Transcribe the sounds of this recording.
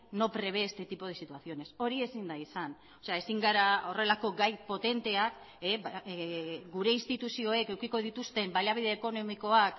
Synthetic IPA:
no̞pɾe̞β̞e̞ːst̪e̞t̪ipo̞ð̞esit̪uaθio̞ne̞so̞ɾie̞sind̪aisan | ose̞ae̞siŋɡaɾao̞re̞lako̞ɡajpo̞t̪e̞nt̪e̞ak | e | ɡuɾe̞inst̪it̪usio̞e̞ke̞wkiko̞ðit̪ust̪e̞mbalaβ̞iðeːko̞no̞miko̞ak

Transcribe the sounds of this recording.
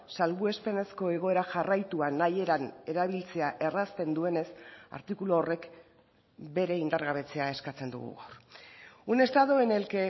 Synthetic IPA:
salβue̞spe̞ne̞sko̞e̞ɣ̞o̞e̞ɾaʝarajt̪uanaje̞ɾane̞ɾaβ̞ilt͡se̞aʔe̞rast̪e̞nd̪ue̞ne̞sa̰ɾt̪ikuloːre̞k | be̞ɾe̞ind̪aɾɣaβ̞e̞t͡se̞ae̞skat͡se̞nd̪ṵɣṵɣawɾ | une̞st̪aðoene̞lke̞

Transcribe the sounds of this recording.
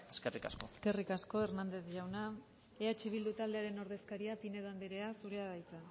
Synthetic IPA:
eskerika̰skoske̞rikasko̞eɾnand̪e̞zʝawna | eat͡ʃiβ̞ild̪ut̪ald̪e̞aɾe̞no̞ɾð̞e̞skaɾiapine̞ðand̪eɾe̞asuɾe̞aðajt͡sa

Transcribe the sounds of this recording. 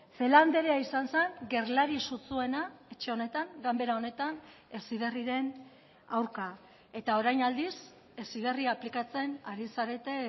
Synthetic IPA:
fe̞land̪e̞ɾeaisanse̞ŋɡe̞ɾlaɾisut͡sue̞nae̞t͡ʃe̞o̞ne̞t̪aŋɡambe̞ɾao̞ne̞t̪an | e̞sið̞eriɾe̞n | awɾka | e̞t̪ao̞ɾajnald̪is | e̞sið̞e̞riaːplikat͡se̞naɾisaɾe̞t̪e̞

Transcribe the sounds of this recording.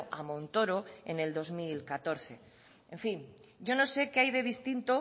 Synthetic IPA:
ʔamõnt̪oɾoḛne̞ld̪o̞zmilkat̪o̞ɾθe̞ | ẽɱfiŋ | ɟ͡ʝo̞no̞se̞keajðe̞ðist̪int̪o

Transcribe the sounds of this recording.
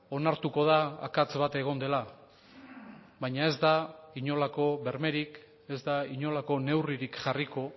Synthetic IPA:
o̞naɾt̪uko̞ð̞a̰ːkat͡sβat̪e̞ɣ̞o̞nd̪e̞la | βajɲae̞zd̪aiɲo̞lako̞βe̞ɾme̞ɾik | e̞zd̪aiɲo̞lako̞ne̞wriɾikʝariko̞

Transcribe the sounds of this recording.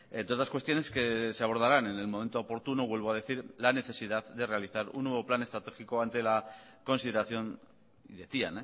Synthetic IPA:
et̪ot̪askwe̞st̪jo̞ne̞ske̞seaβ̞o̞ɾð̞aɾane̞ne̞lmome̞nt̪o̞ːpo̞ɾt̪unoβwe̞lβo̞að̞e̞θiɾlane̞θe̞siðaððe̞re̞aliθaɾṵnːwe̞β̞o̞plane̞st̪ɾat̪e̞xikoant̪e̞la | ko̞nsiðe̞ɾaθjo̞n | iðe̞θiane

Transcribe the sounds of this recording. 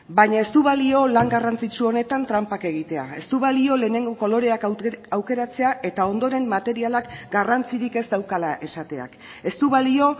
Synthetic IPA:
bajɲae̞st̪uβalio̞laŋɡarant͡sit͡ʃuo̞ne̞t̪ant̪ɾampake̞ɣ̞it̪e̞a̰e̞st̪uβ̞alio̞le̞ːne̞ŋɡo̞ko̞lo̞ɾe̞akawke̞ɾat͡se̞aʔe̞t̪ao̞nd̪o̞ɾe̞mmːat̪e̞ɾialakɡarant͡siɾike̞sd̪awkalaʔe̞sat̪e̞a̰k | e̞st̪uβalio̞

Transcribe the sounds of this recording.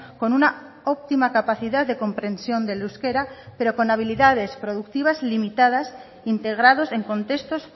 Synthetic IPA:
ko̞nuna | op̚t̪imakapaθiðaððe̞ko̞mpɾẽ̞nsjo̞nd̪e̞luske̞ɾape̞ɾo̞ko̞naβ̞iliðað̞e̞spɾo̞ðuk̚t̪iβ̞azlimit̪að̞as | int̪e̞ɣ̞ɾað̞o̞se̞ŋko̞nt̪e̞st̪o̞s

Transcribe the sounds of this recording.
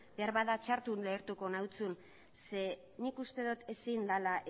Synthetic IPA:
be̞aɾβaðat͡ʃaɾt̪unle̞ːɾt̪uko̞nawt͡sun | se̞ | nikust̪e̞ðut̪e̞sind̪alaʔ

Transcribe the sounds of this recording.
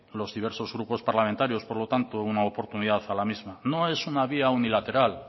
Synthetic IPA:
lo̞zðiβ̞e̞ɾso̞zɣɾupo̞spaɾlament̪aɾjo̞spoɾlo̞t̪ant̪ounaopo̞ɾt̪uniðaθalamizmano̞e̞sunaβ̞iaunilat̪e̞ɾal

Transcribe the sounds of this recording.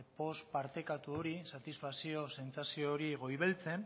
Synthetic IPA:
po̞spaɾt̪e̞kat̪uo̞ɾisat̪isfaksio̞se̞nt͡sasioːɾiɣo̞jβelt͡se̞n

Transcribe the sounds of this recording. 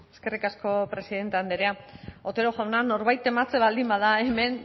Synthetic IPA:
e̞ske̞rikasko̞pɾe̞siðe̞nt̪e̞and̪eɾeaot̪e̞ɾoʝawnano̞ɾβajt̪e̞mat͡se̞βald̪imbaðaeme̞n

